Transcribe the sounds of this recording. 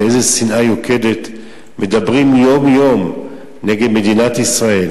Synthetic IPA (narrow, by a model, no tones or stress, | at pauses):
ejzesinʔajoke̞det | me̞dabʁimjo̞mjo̞m | neɡedme̞dinat̪isʁae̞l